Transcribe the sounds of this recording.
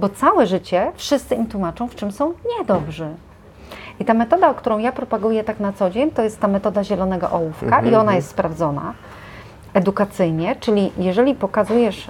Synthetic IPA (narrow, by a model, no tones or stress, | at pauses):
bɔt̪sawɛʐɘt͡ɕɛfʂɘst̪sɘimt̪wumat͡ʂɔ̃w̃ft͡ʂɘmsɔ̃w̃ɲɛd̪ɔbʐɛ | it̪amɛt̪ɔd̪aɔkt̪uɾɔ̃w̃japɾɔpaɡujɛt̪aknat̪sɔd͡ʑeɲt̪ɔjɛst̪ːamɛt̪ɔd̪aʑɛlɔnɛɡɔ̰ʔɔwufkaʔiɔnajɛst̪spɾavd̪zɔna̰ | ɛd̪ukat̪sɘjɲɛt͡ʂɘlʲijɛʐɛlʲipɔkazujɛʂ